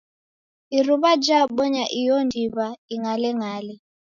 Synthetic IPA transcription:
iruβad͡ʒaɓɔɲaʔijɔndʱiβaiŋalɛŋaːlɛ

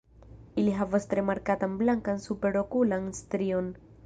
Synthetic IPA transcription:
iliɦavastɾe̞maɾkatanblaŋkansupe̞ɾo̞kulanstɾio̞n

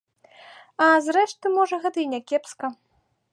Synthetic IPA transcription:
ɐzrɛʂt̪ɨmɔʐɐɣɛt̪ɐinʲɛkʲɛpskɐ

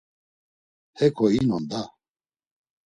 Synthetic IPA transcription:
hɛkʰɔinɔnd̪a

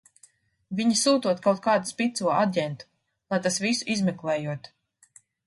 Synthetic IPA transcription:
viɲisuːt̪uɔt̪kawt̪̚kaːd̪uspʲit̪suɔaɟʲɛnt̪u̥ | lˠajt̪asvisuʔizmɛklˠɛːjuɔt̪

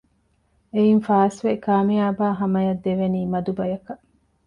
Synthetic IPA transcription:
einfaːsʋekaːmijaːbaːɦɐmɐjɐd̪ːeʋeniːmɐd̪ubɐjɐkɐʔ

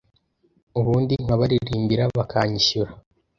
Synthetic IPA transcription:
uβuːndiŋ̥waβaɾiɾiːmbiɾaβakaɲiʃuɾa

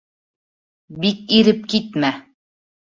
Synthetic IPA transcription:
bik̚iɾɘp̚kit̪mæ

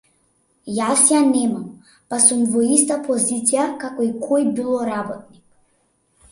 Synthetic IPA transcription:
jasjanɛmam | pasumvɔist̪apɔzit̪sijakakɔikʰɔjbilˠɔɾabɔt̪̚ni

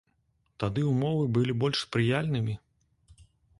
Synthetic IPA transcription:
t̪ad̪ɨumɔvɨbɨlʲibɔlʲʂspɾɨjalʲnɨmʲi

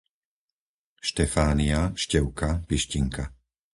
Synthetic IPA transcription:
ʃt̪ɛfaːniaʃcɛʊkapiʃciŋka

